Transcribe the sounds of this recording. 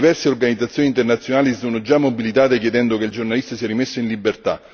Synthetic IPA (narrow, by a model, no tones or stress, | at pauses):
ivɛrseorɡanid̪zat̪sːjoːniːnt̪ernat̪sːjonaːlisonod͡ʒamːobilit̪aːt̪ekjed̪ɛnd̪okeild͡ʒornalist̪asiɛɾimesːoinlibːert̪a̰